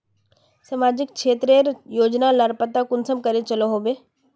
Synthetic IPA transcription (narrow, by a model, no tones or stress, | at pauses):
sɐmaːd͡ʑɪk̚kʰeːt̪ɾeəɾjoːd͡ʑnaləɾpət̪akʊnsəmkɐɾet͡ʃɐloɦobeː